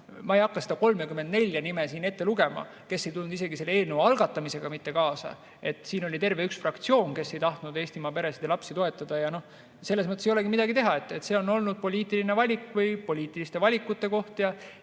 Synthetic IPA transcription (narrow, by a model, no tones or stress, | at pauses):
mɑejɑkːɑse̞d̪̥ɑko̞lme̞kyme̞nd̪ne̞lʲjɑnimesiːne̞t̪ːeluɡ̥e̞mɑ̰ | ke̞sːe̞jt̪ulnud̪ise̞ɡise̞lːeeːlnewɑlɡ̥ɑt̪ːˑɑmise̞ɡ̥ɑmit̪ːe̞kɑːsɑ̰ | e̞t̪ːˑsiːno̞lʲit̪e̞rve̞yksfrɑkt̪sio̞ːnke̞sːe̞jt̪ɑht̪nud̪̥e̞ːst̪imɑpe̞ɾesid̪elɑpsit̪o̞e̞t̪ːˑɑd̪̥ɑjɑno̞ | se̞lːesmɤt̪ːˑesjole̞ɡimid̪ɑɡit̪e̞ɦɑe̞t̪ːˑet̪se̞o̞no̞lnud̪̥̚po̞lʲiːt̪ːˑiline̞vɑlʲikːˑvɤjpo̞lʲiːt̪ːˑilist̪e̞vɑlʲikːˑut̪ˑːe̞ko̞ht̪jɑ